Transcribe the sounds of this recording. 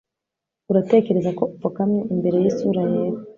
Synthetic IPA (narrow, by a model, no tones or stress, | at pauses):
uɾate̞ke̞ɾezako̞ʔufakamɲeʔimbe̞ɾe̞jisuɾajeːɾo